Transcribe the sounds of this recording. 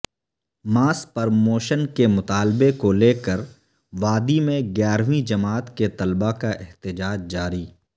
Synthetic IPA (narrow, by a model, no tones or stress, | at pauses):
maːspɐɾmoːʃənkemʊt̪aːlbekoleːkəɾ | ʋaːd̪imẽɡjaːɾʋĩd͡ʒɐmaːt̪ket̪ɐlbakaʔɛɦt̪ɪd͡ʒaːd͡ʒd͡ʒaːɾiː